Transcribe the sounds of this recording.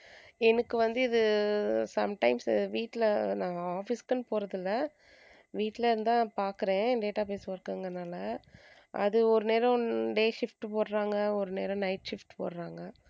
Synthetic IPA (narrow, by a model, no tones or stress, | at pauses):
ɛnɐkːɯʋɐnd̪ɯɪðɯsɐmʈɐɪmsɪʋiːʈːlnãːaːfɪskːɐnːɯpoːɾɐðɪlːɐ | ʋiːʈːɪleɪɾɯnd̪ãːpaːɾkɯɾẽːɖeːʈːaːpeːsɯʋɐɾɯkːaːŋɡɐnaːlɐ | ʔɐ̰ðɯɔɾɯneːɾɐ̃ɖeːʂɪfʈpoːɾɾaːŋɡɐɔɾɯneːɾɐ̃nɐɪʈʃɪfʈpo̰ːɾɾaːŋɡɐ